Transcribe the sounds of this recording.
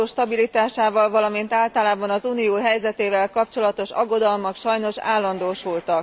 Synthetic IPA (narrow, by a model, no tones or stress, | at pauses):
oːʃt̪ɒbilit̪aːʃaːvɒlvɒlɒmint̪aːlt̪ɒlaːbɒnɒzuːnioːɦɛjzɛt̪eːvɛlkɒpt͡ʃo̞lɒt̪o̞ʃɒ̰ɡːo̞d̪ɒlmɒkʃɒjno̞ʃa̰ːlːɒnd̪oːʃult̪ɒk